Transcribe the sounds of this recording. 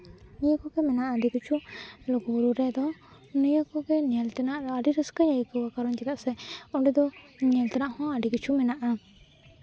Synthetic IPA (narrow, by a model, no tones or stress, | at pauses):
nijəkɔɡɛmɛnaʔad̪ikət͡ʃʰulɔɡɔbuɾuɾɛd̪ɔ | nijəkɔɡɛɲɛlt̪ɛnaʔɾɔaɖiɾəskəɲajikəwakaɾɔnd͡ʒɛɡaʔsɛɔɖɛd̪ɔɲɛlt̪ɛnaʔhɔ̃aɖikət͡ʃʰumɛnaʔa